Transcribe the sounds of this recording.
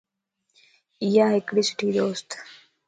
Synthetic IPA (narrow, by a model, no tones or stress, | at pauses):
ijaːɦekɽiːsɪ̥ʈʰiːd̪oːst̪